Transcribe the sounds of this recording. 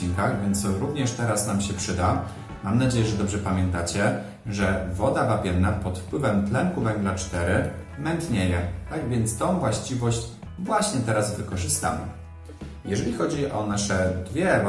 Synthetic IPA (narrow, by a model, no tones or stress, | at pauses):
iŋkaɣvʲjɛnt̪sɾuvɲɛʂt̪ɛɾasnamɕɛpʂɘd̪a | mamnad͡ʑejɛʐɛd̪ɔbʐɛpamʲjɛnt̪at͡ɕɛ | ʐɛvɔd̪avapʲjɛnːapɔt̪fpwɘvɛmt̪lɛŋkuvɛŋɡlat͡ʂt̪ɛɾɘmɛnt̪ɲejɛt̪aɡvʲjɛnt̪st̪ɔ̃w̃vwaɕt͡ɕivɔɕt͡ɕ | vwaɕɲɛt̪ɛɾazvɘkɔʐɘst̪a̰mɘ̰ | jɛʐɛlʲixɔd͡ʑiʔɔnaʂɛd̪vʲjɛ